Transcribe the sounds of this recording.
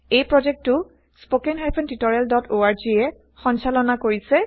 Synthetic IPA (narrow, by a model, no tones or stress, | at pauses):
ejpɹɔd͡ʒɛk̚tʊ | spokɛnɦajpʰɔntitɔɹaldɔtʰoaɹd͡ʒiɛ | xɔnsalɔnakoɹisɛ